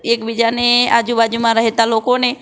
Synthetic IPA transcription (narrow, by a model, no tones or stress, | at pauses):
eːkbid͡ʒaneaːd͡ʒubad͡ʒumãɾəɦet̪aloːkone